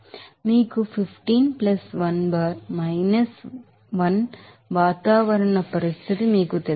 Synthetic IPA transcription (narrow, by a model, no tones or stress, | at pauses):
miːkufɪfʈiːnplɐsʋɐnbaːɾmɐɪnɐs | ʋɐn | ʋaːt̪aːʋɐɾɐɳɐpɐɾɪst̪ʰɪt̪imiːkɯt̪ɛ